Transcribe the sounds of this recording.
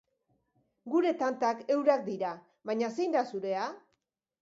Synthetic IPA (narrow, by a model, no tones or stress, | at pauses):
ɡuɾe̞t̪ant̪ake̞wɾak̚d̪iɾa | βaɲasejnd̪asuɾe̞a